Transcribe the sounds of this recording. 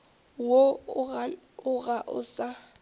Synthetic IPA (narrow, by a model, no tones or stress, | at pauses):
wo | ʊɣaʔʊ̰sa